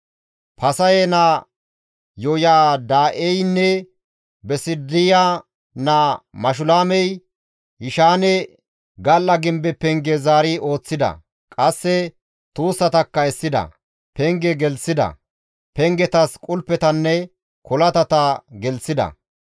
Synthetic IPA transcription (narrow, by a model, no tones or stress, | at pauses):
pʰɐsɐjɛna | jɔjaːd̪aːʔɛjnːɛ | bɛsɪd̪ɪjaː | namɐʃ̬ʊlaːmɛj | hɪʃaːnɛ | ɡɐlːɐɡɪmbɛpɛŋɡɛzaːɾɪo̞ːt͡sːɪd̪ɐ̰ | kʼɐsːɛ | t̪uːsːɐt̪ɐkːɐɛsːɪd̪ɐ̰ | pɛŋɡɛɡɛlsɪd̪ɐ̰ | pɛŋɡɛt̪ɐskʼʊlpːɛt̪ɐnːɛ | kɔlɐt̪ɐt̪ɐɡɛlsɪd̪ɐ̰